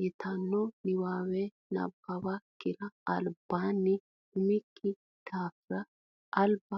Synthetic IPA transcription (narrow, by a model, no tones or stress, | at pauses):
jɪt̪ɐnːɔnɪwaːwɛ | nɐ̰bːɐbɐkɪɾɐɐlbaːnːɪ | ʊmɪkʼːɪ | t̪aːfɾɐ | ʔɐlbɐ